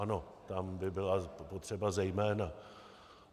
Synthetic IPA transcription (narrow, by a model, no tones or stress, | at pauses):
ano̞t̪ambɪbɪlapot̪r̥ɛbazɛjmɛːna